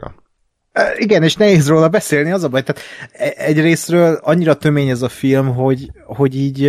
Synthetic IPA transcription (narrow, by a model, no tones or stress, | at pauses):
øiɡɛneːʃnɛɦeːzroːlɒbɛseːlniɒzɒbɒjt̪aːt̪ɛɛɟreːsrøːlɒɲːiɾɒt̪ø̞meːɲɛzɒfilmɦo̞ɟho̞ɟiːɟ